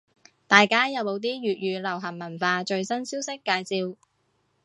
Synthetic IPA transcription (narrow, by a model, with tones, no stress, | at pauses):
t̪aː˨jkaː˥jɐ˨˧wmo˨˧wt̪̬iː˥ɥyː˨t̚ɥyː˨˧lɐ˨˩wɦɐ˨˩nmɐ˨˩nfaː˧t͡ʃɵ˧ɥsɐ˥nsiː˥wsɪ˥kːaː˧jt͡siː˧w